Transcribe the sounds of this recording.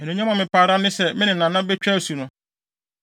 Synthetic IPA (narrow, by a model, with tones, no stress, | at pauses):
ɛ˨nũ˨ɲã˦mã˨mɪ̃˨paː˨ɾa˦nɪ̃˦sɛ˨mɪ̃˦nɪ̃˨nã˨nã˦bɛ˦t͡ɕᶣæ˦˨su˨nʊ̃˦